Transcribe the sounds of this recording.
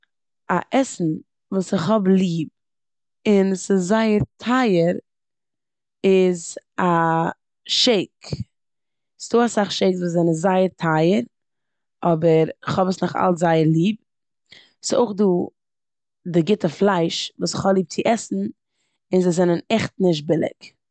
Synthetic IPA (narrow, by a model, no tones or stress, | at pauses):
aʔɛsn̩ | vuːsɪχhɔblˠiːb̚ | ɪnsɪsːaɪəɾtʰaɪəɾ | ɪza | ʃeɪk | sɪ̥doːasaχʃeɪkzuːszɛnəzaɪəɾtʰaɪəɾ | ɔbəɾɪχhɔbəsnʊχa̰lˠzaɪəɾlˠiːb̚ | sɪo̰ʊχduː | dɪɡɪtəflˠaɪʃvuːsɪχhɔblˠiːp̚t͡sɪʔɛsn̩ | ɪnzɪzɛnənɛχtnɪʃ̬t̚bɪlˠɪ̰k